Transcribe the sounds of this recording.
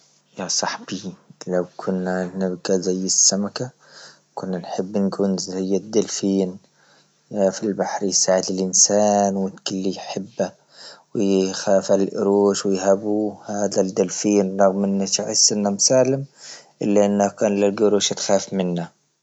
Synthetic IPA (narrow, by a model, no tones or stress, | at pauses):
jasˤɑħb̥ilawkʰʊnːanɪbɡazajːɪsːamaka | kʊnːanħɪbːnkuːnzajːad̪ːalfiːn | jafilbaħɾjsaːʕɪd̪ɪlʔɪnsaːnwɪt̪kɪlːijħɪbːa | wɪjxaːfalʔʊ̰ɾuːʃwɪjhabuhaːd̪ad̪alfiːnɾˤɑɣmʔɪnːat̪ʕɪsːɪnːamsaːlɪmʔɪlːaʔɪnːakaːnlɪlɡʊɾuːʃat̪xaːfmɪnːa